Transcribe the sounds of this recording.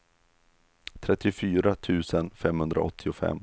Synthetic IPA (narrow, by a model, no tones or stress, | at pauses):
t̪ʰɾɛt̪ːɪʊfyːɾat̪ʰʉ̟ːsənfɛmhɵnd̪ɾʔa̰ʔɔt̪ʰːɪʊfɛ̰mː